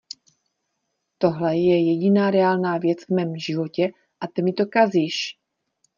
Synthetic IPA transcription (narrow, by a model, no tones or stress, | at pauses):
t̪o̞ɦlɛjɛjɛɟɪnaːɾɛaːlnaːvjɛt͡svmɛːmʒɪvo̞cɛ | ʔat̪ɛmɪt̪okazɪʃ